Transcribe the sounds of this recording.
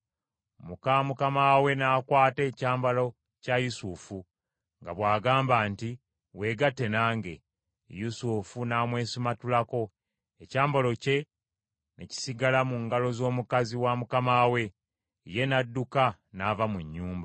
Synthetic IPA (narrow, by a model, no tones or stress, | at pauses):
mukamukamawe̞naːkwaːte̞ːcaːmbalo̞ | cajusufu | ŋɡaβwaːɡaːmbaːnti | we̞ːɡatːe̞naːŋɡe̞̰ | jusufunaːmwe̞ːsimatulako̞ | e̞caːmbolo̞ce̞ | nḛci̥siɡalamuŋɡalo̞zo̞ːmukaziwamukamawe̞ | je̞nadːuka | navamuɲːuːmba